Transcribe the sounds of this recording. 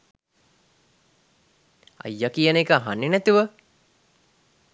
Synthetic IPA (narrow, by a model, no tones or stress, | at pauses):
a̰jːakijənekaɦanːinæt̪iʋə